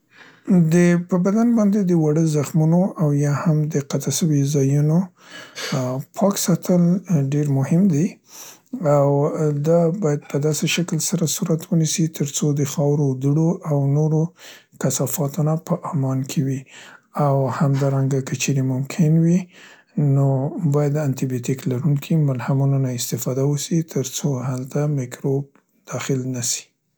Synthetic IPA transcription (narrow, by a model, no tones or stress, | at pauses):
d̪əpəbad̪anbɑnd̪ed̪əwaɽəzaxmunoʔawjɑhamd̪əqat̪aʃəwizɑjuno | pʰɑksɑt̪ʰəlɖeɾmʊhɪmd̪i | awd̪ɑbɑjad̪̚pəd̪ɑseʃakəlsaɾasuɾat̪wənisit̪ʰəɾt͡sod̪əxɑwɾod̪əɽoʔawnoɾo | kasɑfɑt̪onapəʔɑmɑnkʰewiawhamd̪ɑɾaŋɡakət͡ʃeɾemʊmkʰɪnwi | nobɑjad̪ant̪ibjot̪iklaɾuŋkʰimʊlhamunanaɪst̪ɪfɑd̪awəʃit̪ʰəɾt͡sohalt̪amɪkɾob | d̪̥ɑxɪlnaʃi̥